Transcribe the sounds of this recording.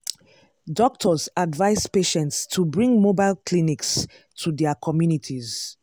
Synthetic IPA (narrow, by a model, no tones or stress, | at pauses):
dɔk̚tʰɔzadvaɪzpeʃɛ̃ntstʰubɹĩŋmobaɪlkʰliniks | tʰudɛəkʰɔmjunitʰiz